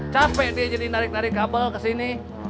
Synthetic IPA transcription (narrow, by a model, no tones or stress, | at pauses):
t͡ʃapɛʔdiad͡ʒadinaɾɪk̚naɾɪkːabəlkəsini